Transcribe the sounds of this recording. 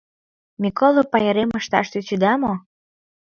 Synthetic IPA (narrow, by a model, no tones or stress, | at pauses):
mʲikolˠopɑjəɾemə̆ʃt̪ɑ̰ʃt̪yt͡ɕyd̪ɑmo